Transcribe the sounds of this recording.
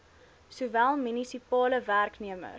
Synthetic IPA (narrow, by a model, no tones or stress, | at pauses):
suvælˠmynisipɑːləværkniəmə̰